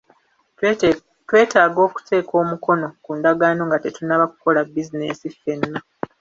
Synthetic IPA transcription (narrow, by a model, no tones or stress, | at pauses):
twe̞ːtaːɡo̞ːku̥tʰe̞ːko̞ːmukʰo̞no̞kuːndaɡaːno̞ːŋɡate̞tunaβaku̥ko̞labːizine̞̰sife̞nːa